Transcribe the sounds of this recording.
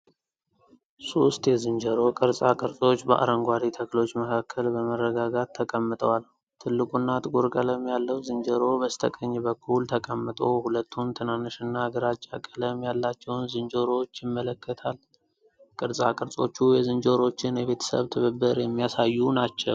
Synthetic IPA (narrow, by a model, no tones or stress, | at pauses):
sost̪jɛzɨnd͡ʒəɾo̞kʼɨɾsʼakʼɨɾsʼo̞t͡ʃːbə̰ʔa̰ɾəŋɡʷaɾit̪ʰəkʰlo̞t͡ʃːməkʰakʰːəlbəmərːəɡaɡat̪ʰːəkʼəmːɨt̪ʼəwal | t̪ʰɨlːɨkʼunːat̪ʼɨɡuɾkʼələmjalːəwzɨnd͡ʒəɾo̞bəst̪ʰəkʼəɲːɛbəkʰːult̪ʰəkʼəmːɨt̪ʼohulət̪ʰːumt̪ʰɨnanɨʃɨnːaaɡəɾat͡ʃʼːa̰kʼələmjalːat͡ʃːɛwnzɨnd͡ʒoɾo̞t͡ʃːjɪmːələkʰːət̪ʰal | kʼɨɾsʼakʼɨɾsʼo̞t͡ʃːujɛzɨnd͡ʒoɾo̞t͡ʃːɪnjɛβe̞t̪ʰə̥sə̰βt̪ʰɨβɨbːɨɾjɛmːijasajːunat͡ʃːɛ̰w